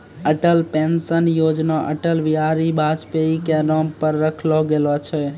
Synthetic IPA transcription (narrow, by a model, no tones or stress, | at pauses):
əʈəlpensənjod͡ʒnaʔə̰ʈəlʋiaɾibʱad͡ʒpeikeɾɔmpəɾːəkʰloɡelot͡ʃʰɛ